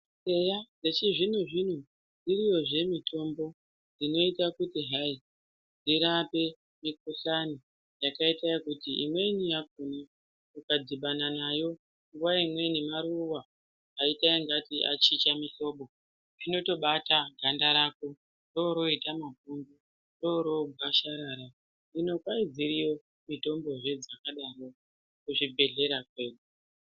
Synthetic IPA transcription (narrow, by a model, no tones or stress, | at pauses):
se̞jad͡ze̞t͡ʃiʐin̤uʐin̤u | d͡zirijo̞ʐe̞mitʰo̞mbo̞ | d͡zino̞itakutiɦai | d͡ziɾape̞ | mik̚uɬani | jakaitajokutiʔḭmwe̞nijak̚une | mukad͡ziɓananajo̞ | ŋɡuwaimwe̞nimaɾuwaː | itaiŋɡatiʔa̰t͡ʃit͡ʃamiɬo̞ɓo̞ | rino̞to̞ɓataɡʱandaɾako | ro̞ɾo̞itamapunbu | ro̞ɾo̞ɡʱaʃaɾaːɾa | ino̞kwaid͡ziɾio̞ | mito̞mbo̞ʐe̞d͡zakaɗaro̞ | kuʐibʱe̞ɮe̞ɾakwe̞ːɗu